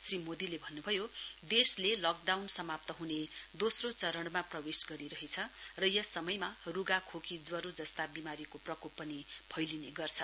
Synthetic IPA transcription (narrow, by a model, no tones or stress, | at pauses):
srimod̪ilebʱʌnːubʱʌjod̪eslelʌk̚ɖawnsʌmap̚t̪ʌɦuned̪osrot͡sʌɾʌɽmaprʌwesɡʌɾiɾʌɦet͡sʰʌrʌjʌsʌmʌjmaruɡakʰokʰid͡zwʌɾod͡zʌst̪abimaɾikoprʌkupːʌnipʰʌjlineɡʌrt͡sʰʌ